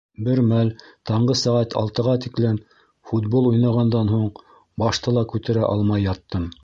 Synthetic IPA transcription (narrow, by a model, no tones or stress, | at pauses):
bɘɾmælt̪ɑɴɢɤsæʁæt̪ʰɑ̰lˠt̪ɤ̆ʁɑt̪iklɘm | fud̪bolˠujnɑʁɑnd̪ɑnhuɴ | bɑʃt̪ɤlˠɑkʉt̪ɘ̆ɾæʔɑlˠmɑjːɑt̪ːɤm